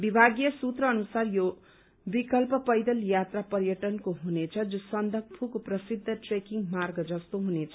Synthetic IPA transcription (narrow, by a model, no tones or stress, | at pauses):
bibʱaɡjʌsut̪rʌːnusarjo | bikʌlpʌpʌjd̪ʌljat̪rapʌɾjʌʈʌnkoɦunet͡sʰʌd͡zusʌnd̪ʱʌk̚pʰukoprʌsid̪ʱːʌʈrekiŋmarɡʌd͡zʌst̪oɦunet͡sʰʌ